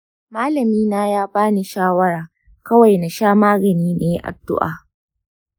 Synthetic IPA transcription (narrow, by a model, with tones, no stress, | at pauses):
maː˦lɐ˨miː˦naː˦jaː˦baː˦ni˦ʃaː˦wɐ˦ɾaː˨ | kɐ˦wa˨jna˨ʃaː˦maː˦ɡɐ˨niː˦neː˨˦ʔa̰˨dʊ̰˦ʔa̰ː˨